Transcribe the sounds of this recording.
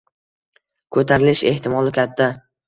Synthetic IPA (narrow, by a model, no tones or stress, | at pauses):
kʰɵt̪ʰaɾɪlɪʃe̞ht̪ɪmɒlˠɪkʲʰat̪ʰːa